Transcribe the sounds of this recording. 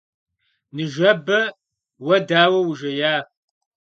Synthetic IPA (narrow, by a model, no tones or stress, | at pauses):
nɨʒɐbɐ | wɐdaːwɐwuʒɐjaː